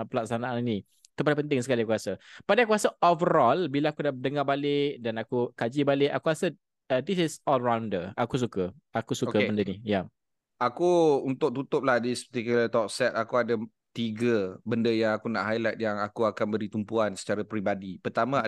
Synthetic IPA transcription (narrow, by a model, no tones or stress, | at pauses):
pəlak̚sanaʔanni | t̪upadapənt̪ɪŋsəkaliakuɾasəpadakuasaovəɾɔlbilaakudaʔdəŋabalɪʔ̚danakukad͡ʒibalɪʔakuɾasə | disɪsɔlɹawndəakus̬ukə | akusukəbəndənija | akuunt̪ʊk̚t̪ut̪ʊp̚lahdisə̥pət̪ikulət̪ɔk̚sɛt̪̚akuada | t̪iɡəbəndəjaŋakunaʔɦajlat̪̚jaŋakuakanbəɾit̪umpuansə̥t͡ʃaɾapɾibadipərt̪amã